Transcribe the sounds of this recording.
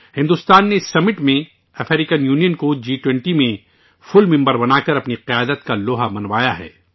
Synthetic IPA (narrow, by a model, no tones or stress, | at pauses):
hɪ̃nd̪ust̪aːnːesɐmɪʈmẽ | ɐfʰɛːɾɪkənjuːnijənkod͡ʒiːʈwɛ̃ɳʈimẽ | fʊlmɪ̃mbəɾbɐnaːkɐɾɐpniqɪjaːd̪ət̪kaloːɦamɐnʋaːjaɦɛ̰ː